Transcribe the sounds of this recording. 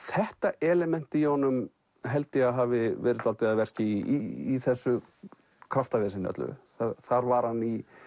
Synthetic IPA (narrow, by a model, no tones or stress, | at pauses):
θɛht̪aʔɛːlɛmɛn̥t̪ɪiɔnːʏm | ɦɛlt̪ɪaðɦaːvɪvɛːɾɪt̪alt̪ɪɣaðvɛr̥cɪiiθɛsːʏ | kʰɾaft̪avɛːsɪnːœ̰t̪lʏ̰θaθaɾvaɾ̥hanːi